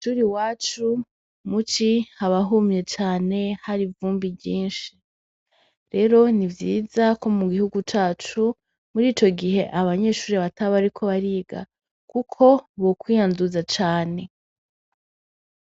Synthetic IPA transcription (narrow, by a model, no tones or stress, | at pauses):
ʃuːɾiwaːt͡ʃu | mut͡ʃihaβaɦumɲe̞t͡ʃaːne̞haɾivuːmbibɟiːnʃi | ɾe̞ɾo̞nivjiːzako̞muɡihuɡut͡ʃaːt͡ʃu | muɾiːt͡ʃo̞ɡiɦe̞ʔaβaɲe̞ːʃuːɾiβataβaɾikʰo̞βaɾiːɡa̰ | kukʰo̞βokwiːjanduzat͡ʃaːne̞